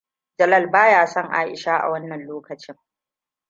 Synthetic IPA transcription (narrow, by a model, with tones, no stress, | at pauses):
d͡ʒɐ˨lɐ˦˨lbaː˦jaː˦˨sɐ˦ŋʔa̰ː˦ʔɪ̰˨ʃaː˦ʔa̰˨wɐ˦nːɐ˨nloː˦kɐ˨t͡ʃɪ˦ŋ